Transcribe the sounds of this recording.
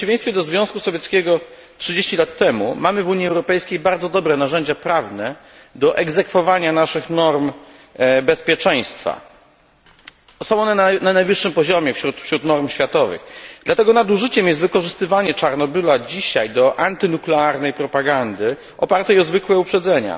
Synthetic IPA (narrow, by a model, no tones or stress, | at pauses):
t͡ɕivʲẽjst̪fʲjɛd̪ɔzvʲjɔ̃w̃skusɔvʲjɛt̪skʲeɡɔ | tʂɘd͡ʑeɕt͡ɕilat̪ʰːɛmṵmamɘvuɲjiɛwɾɔpɛjskʲejbaɾd̪zɔd̪ɔbɾɛnaʐɛɲd͡ʑapɾavnɛ | d̪ɔʔɛɡzɛkfɔvaɲanaʂɘxnɔɾm | bɛspʲjɛt͡ʂɛj̃st̪fa̰ | sɔ̃w̃ɔnɛnananajvɘʂːɘmpɔʑɔmʲjɛfɕɾut̪fɕɾut̪nɔɾmɕfʲjat̪ɔvɘ̰ɣd̪̥lat̪ɛɡɔnad̪uʐɘt͡ɕɛmjɛst̪vɘkɔʐɘst̪ɘvaɲɛt͡ʂaɾn̪ɔbɘlad͡ʑiɕajd̪ɔʔant̪ɘnuklɛaɾnɛjpɾɔpaɡand̪ɘ | ʔɔpaɾt̪ɛjɔzvɘkwɛupʂɛd̪zɛɲa̰